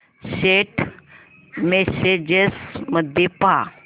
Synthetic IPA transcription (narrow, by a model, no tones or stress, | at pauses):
ɕeʈ | mesed͡ʑesməd̪ʱjepa